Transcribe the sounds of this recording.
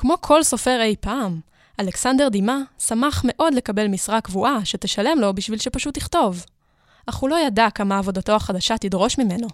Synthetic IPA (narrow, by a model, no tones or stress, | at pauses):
kmo̞kʰo̞lso̞fe̞ʁe̞jpaːm | ale̞ksande̞ʁdimasamaχme̞ʔo̞dle̞kabe̞lmisʁakvuʔaʃeteʃale̞mlo̞biʃvilʃepaʃut̪ːiχto̞v | ʔaχhulo̞jadakamaːvo̞dato̞aχadaʃatidʁo̞ʃmime̞no̞